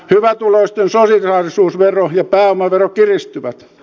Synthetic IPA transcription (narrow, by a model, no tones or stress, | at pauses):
hyʋæt̪uloist̪ensosirɑːrisuːsʋerojɑpæːomɑʋerokirist̪yʋæt̪